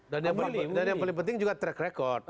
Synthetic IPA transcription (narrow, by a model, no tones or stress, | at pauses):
danjaŋpədanjaŋpalɪŋp̬ənt̪ɪŋd͡ʒuɡat̪ɾɛkrekɔrd̪̚